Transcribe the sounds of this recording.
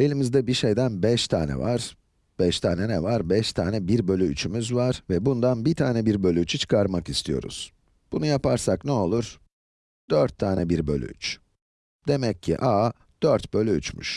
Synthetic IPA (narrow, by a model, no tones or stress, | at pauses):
e̞lʲimizd̪ɛbiʃe̞jd̪ænbɛʃt̪ʰa̰ːnɛ̰vaɾ̥ | b̥ɛʃt̪ʰaːnɛnɛvaɾbɛʃt̪ʰaːnɛbiɾbø̞lʲyyt͡ʃʰymyzvaɾ̥vɛbund̪anbit̪ʰaːnɛbiɾbølʲyyt͡ʃʰit͡ʃʰi̥kʰaɾmakist̪ʰijo̞̰ɾṵz̥ | b̥unujapʰaɾsaknɛo̞lˠuɾ̥ | d̪̥øɾt̪ʰːaːnɛbiɾbø̞̰lʲy̰y̰t͡ʃ | d̪e̞mɛcʰːḭʔa | d̪̥øɾt̪bø̞lʲyy̰t͡ʃmy̰ʃ